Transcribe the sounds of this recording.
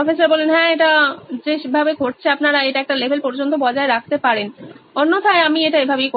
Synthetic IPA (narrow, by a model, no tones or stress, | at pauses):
ɔfesaɾbɔlenɦɛ̃eʈad͡ʑeʃbʱabeɡʱoʈ̚t͡ɕʰeapnaɾaeʈaɛk̚ʈalebʱelpɔɾd͡ʑont̪obɔd͡ʑaeɾakʰt̪epaɾenonːot̪ʰaeamieʈaebʱabek